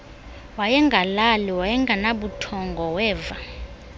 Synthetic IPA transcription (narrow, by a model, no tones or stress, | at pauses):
wajɛŋɡʱalaliwajɛŋɡʱanaɓutʰɔŋɡʱɔwɛːva